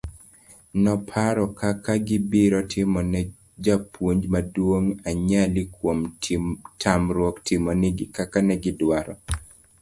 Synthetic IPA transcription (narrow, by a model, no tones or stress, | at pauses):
nɔpʰaɾɔkakaɡɪbɪɾɔtʰɪmɔnɛ | d͡ʒapʰwoɲd͡ʒmadwoŋaɲalɪkwom | tʰamɾwoktʰɪmɔnɪɡɪkakanɛɡɪdwaɾɔ